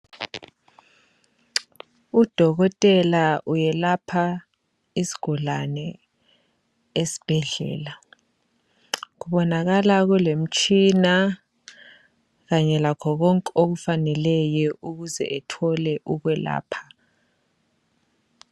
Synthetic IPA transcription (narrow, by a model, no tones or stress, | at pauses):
ud̥ʱɔk̬ɔtʼɛlaʔujɛlapʰa | isi̥ɡ̥ʱɔlanɛ | esi̥b̥ʱɛɮɛ̰ːla | k̬uɓɔnak̬alak̬ɛlem̩t͡ʃʰʼina | kaɲɛlakʰɔk̬ɔŋkʼok̬ufanɛlɛjɔʔuk̬uzɛ̰ʔɛtʰɔlɛʔuk̬wɛla̰ːpʰḁ